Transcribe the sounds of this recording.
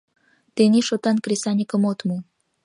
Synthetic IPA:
t̪eniʃot̪ɑnkresanʲikəmot̪mu

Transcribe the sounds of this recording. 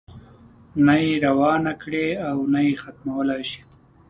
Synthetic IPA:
najeɾawɑnakɽeawnajexat̪mawəlajʃi̥

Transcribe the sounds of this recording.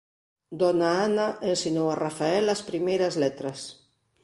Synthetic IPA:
d̪ɔnaanaensinowarafaɛlaspɾimejɾazlet̪ɾas

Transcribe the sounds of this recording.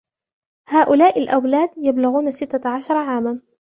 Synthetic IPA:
haːʔʊlaːʔɪlʔawlaːd̪jablʊɣuːnasɪt̪ːaʕaʃɑɾˤɑʕaːman

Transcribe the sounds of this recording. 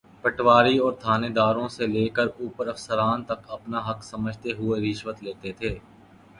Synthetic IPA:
pɐʈʋaːɾiɔːɾt̪ʰaːneːd̪aːɾõseleːkəɾuːpəɾɐfsəɾaːnt̪ɐkɐpnaɦɐksɐməd͡ʒʱt̪eɦʊeɾɪʃwət̪leːt̪et̪ʰeː

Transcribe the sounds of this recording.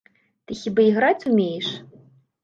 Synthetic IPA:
t̪ɨxʲibaiɣɾat͡sʲumʲejɛʂ

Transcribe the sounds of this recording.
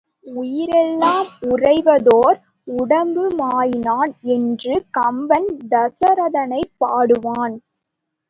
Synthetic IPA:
ʊjɪɾɛlːaːmʊrɐɪʋɐðoːɾ | ʊɽɐmbɯmaːjɪnaːnɛndrɯkɐmbɐnd̪ɐsɐɾɐðɐnɐɪpːaːɽɯʋaːn

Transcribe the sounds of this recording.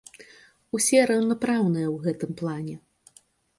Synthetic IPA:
usʲɛɾɐwnɐpɾawnɨjɐwɣɛt̪ɨmplˠanʲɛ

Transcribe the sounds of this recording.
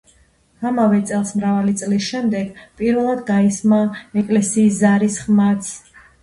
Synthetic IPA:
amavɛt̪sʼɛlˠsmɾavalit̪sʼlisʃɛmd̪ɛɡpʼiɾvɛlˠad̪ɡaismaɛkʼlɛsiːszaɾisχmat̪sʰ

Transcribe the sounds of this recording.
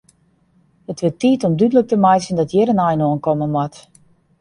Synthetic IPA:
ətʋɪtiːtɔmdydələk̚təmajsəndɔtjɪɾənajnoənkɔmənmwat

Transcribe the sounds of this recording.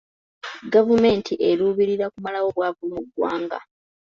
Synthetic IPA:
ɡavume̞ːntʰiʔeɾuːβiɾiɾakumalawo̞βwaːvumuɡwa̰ːŋɡa̰

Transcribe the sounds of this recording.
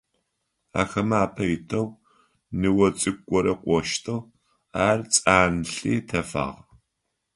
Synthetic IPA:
a̰ːxɐmaːpʰɐjɪtʰɐw | nɨwɐt͡sʼɨkʷʼːɔɾɐqʷʼɔʃtʰɐw | aːrt͡sʼaːnɬiːtʰɐfa̰ːʁ

